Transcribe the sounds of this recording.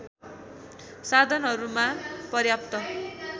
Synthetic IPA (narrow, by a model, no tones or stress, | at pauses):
sad̪ʱʌnɦʌɾumapʌrjap̚t̪ʌ